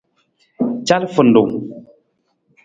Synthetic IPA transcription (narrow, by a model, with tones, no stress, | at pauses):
t͡ʃa˦lfə˨n̩˨du˨ŋ